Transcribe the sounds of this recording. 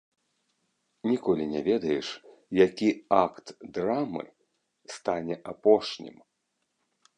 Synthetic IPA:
nʲikɔlʲinʲɛvʲɛd̪ɐjɛʂ | jakʲiakt̪d̪ɾamɨ̰ | st̪anʲɛʔapɔʂnʲḭm

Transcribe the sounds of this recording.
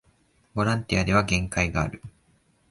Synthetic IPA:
bo̞ɾãnt̪ijad̪e̞β̞aɡẽ̞ŋkaiɡaːɾɯ̟

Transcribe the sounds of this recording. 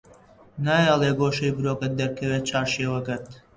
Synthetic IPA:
naːjaːlˠeːɡoːʃɐjbɨɾoːkɐd̪ɐɾkʰɐweːt̪̚t͡ʃʰaːɾʃeːwɐɡɐɾt̪

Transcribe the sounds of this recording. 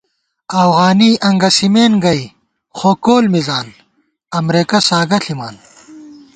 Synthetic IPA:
ɐfɣaːniʔɐŋɡɐsimeːnɡɐi | xoːkoːlmizaːn | ɐmɾeːkɐsaːɡɐɬʰimaːn

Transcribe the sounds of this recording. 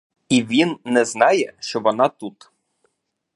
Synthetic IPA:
ivʲinːɛznɑjɛʃɔvɔnɑt̪ut̪

